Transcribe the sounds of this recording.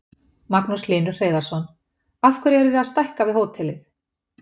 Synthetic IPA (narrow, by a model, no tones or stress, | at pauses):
maknusliːnʏ̥r̥eːjðaɾ̥sɔn | afkʰvʏɾɛɾʏðɪaðst̪ajhkavɪðɦoːwt̪ʰɛlɪθ